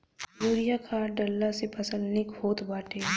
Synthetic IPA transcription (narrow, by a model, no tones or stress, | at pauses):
juːɾijakʰaːɾɖəlːasepʰɐsəlnɪkhoːt̪baːʈʰeː